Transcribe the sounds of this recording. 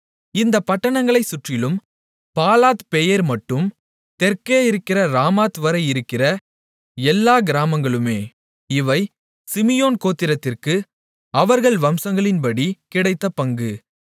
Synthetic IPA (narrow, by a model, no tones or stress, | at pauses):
ɪnd̪ɐpɐʈːɐɳɐŋɡɐɭɐɪsʊʈrɪlɯm | paːlaːt̪pɛjɐɾmɐʈːɯm | t̪ɛɾkeːɪɾɯkːɪrɐɾaːmaːt̪ʋɐɾɐɪɪɾɯkːɪrɐ | ɛlːaːɡɪɾaːmɐŋɡɐɭɯmeː | ɪʋɐɪ | sɪmɪjoːnkoːt̪ːɪɾɐt̪ːɪrkɯ | ɐʋɐɾɣɐɭʋɐmsɐŋɡɐɭɪnpɐɽikɪɽɐɪt̪ːɐpɐŋɡɯ